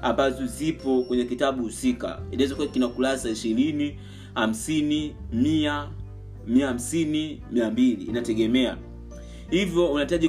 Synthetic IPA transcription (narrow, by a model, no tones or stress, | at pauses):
ambazɔzipɔkwɛɲɛkitaɓuhusika̰inawɛzakuakinakulasaiʃiɾini | ham̩sini | mia | miaham̩sinimiambilḭːnatɛɡɛmɛa̰ | hivjɔunaitaʄi